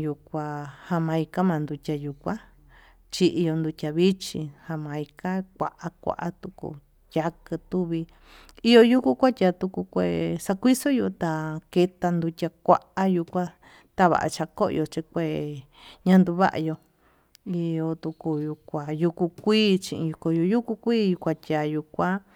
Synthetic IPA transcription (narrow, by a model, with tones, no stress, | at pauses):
ju˧kʷa˧ha˧mã˧i˧ka˦mã˨˧nd̪u˧tʲa˧ju˨kʷã˦ | t͡ʃi˧ʔi˧jo˧nd̪u˧tʲa˧βi˦t͡ʃĩ˧ha˧mã˧i˧ka˦kʷa̰˧ʔa˦kʷa̰˧ʔa˦t̪u˧kṵ˧ | jʲa˧kɨ˧t̪u˦βi˧ | i˧jo˧ju˦ku˦kʷa˦tʲa˧t̪u˧ku˧kʷe˧˨sa˧kʷi˦so˦ju˧t̪a˧ke˧t̪a˧nd̪u˧tʲa˧kʷa̰˧ʔa˦ju˧kʷã˧ | t̪a˦βa̰˨ʔa̰˧t͡ʃa˧ko˦ʔo˧t͡ʃi˧kʷe˧˨ | ɲã˧nd̪u˧βa̰˦ʔa̰˧jo˧ | i˧jo˧t̪u˧ku˧ju˧kʷa˧˨ju˧ku˧kʷiː˦t͡ʃĩ˧ʔḭ̃˧ju˧ko˧jo˧ju˦ku˧kʷiː˦ju˧kʷã˧tʲa˨ju˧kʷã˦